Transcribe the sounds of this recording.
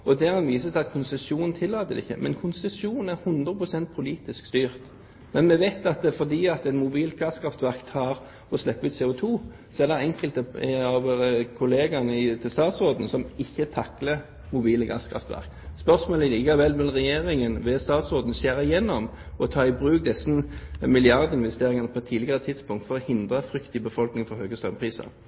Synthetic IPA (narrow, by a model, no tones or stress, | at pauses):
ɔd̪ɛɾɑnʋiːs̬ət̪ʰɛɑt̪̚kʰʊnsɛsuːnn̩t̪ʰɪlːɑːt̪əd̪ɪ̰çːə̰mʔɛ̰nkʰʊnsɛsuːnn̩æʁhʉnd̪ɾʁəpʁʊsɛnt̪̚pʰʊliːt̪ɪskst̪yːʁt̪ | mɛnmɛʋæɪt̪ɑt̪̚d̪ɛfɔd̪iːɑt̪ɛnmʊbiːlɡɑskʰɾɑft̪ʋæʁkt̪ʰːɑːɾ | ɔslɛpːəʉːt̪sɛːʊt̪ʰuː | sɔɛd̪ɛɛŋkəlt̪əɑʋkʰʊleːɡɑnəɪt̪ʰɪlst̪ɑːt̪sʁoːd̪n̩sɔmɪçːət̪ʰɑklə | mʊbiːləɡɑ̰skʰɾɑ̰ft̪ʋæ̰ɾk | spœʁsmoːləliːkəʋɛlmɛlʁɛjeːɾɪŋənʋɛst̪ɑːt̪sʁoːd̪n̩seːɾɪjɛnːɔm | ɔt̪ʰɑːɪbɾʉːk̚d̪ɛsn̩mɪlɪɑʁd̪əɪnʋɛst̪eːɾɪŋɑnəpʰɔɛt̪ʰːiːlɪɡəʁət̪ʰɪd̪spʊŋkt̪fɔɾɔhɪnd̪ʁəfɾʏkt̪ɪbəfɔlknɪŋfɔɾhøːɡəst̪ɾœmpʰʁiːsɑ̰ʁ